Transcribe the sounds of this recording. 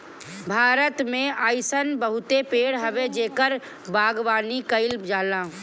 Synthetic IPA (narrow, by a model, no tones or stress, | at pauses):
bʱaːɾət̪mẽaːɪsənbəɦʊt̪epeːɽɦəʋed͡ʒeːkəɾ | baːɡʋaːnikəɪlpd͡ʒaːlãː